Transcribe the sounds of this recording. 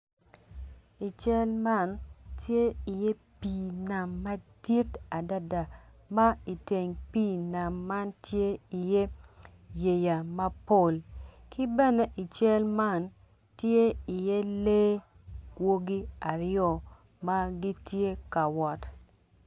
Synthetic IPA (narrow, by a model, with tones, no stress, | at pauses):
i˨t͡ʃɛ˦lma˦˨ntje˦ɪ˨je˦pi˨na˨mːa˦di˦ta˨da˦da˨ma˦i˨te˨ŋpiː˦˨na˨mːa˦ntʰje˦i˨je˦ | je˨ja˨ma˦po˦˨lkʰɪ˦bɛ˦ne˦ʔi˨t͡ʃɛ˦lma˦˨n | tje˦ɪ˨je˦le˦ | wo˦ɡi˦a˨ɾɪɔ˨ | ma˦ɡi˦tje˦ka˨wɔ˨t